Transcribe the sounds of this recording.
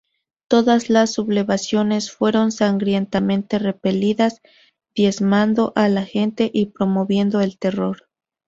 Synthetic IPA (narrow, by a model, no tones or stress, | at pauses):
t̪o̞ðazlasːuβle̞βasjo̞ne̞sfwe̞ɾo̞nsaŋɡɾje̞nt̪amẽ̞nt̪e̞re̞pe̞liðaz | ðje̞zmand̪o̞ʔalaxe̞nt̪e̞ʔipɾo̞mo̞βje̞nd̪o̞e̞lt̪e̞ro̞ɾ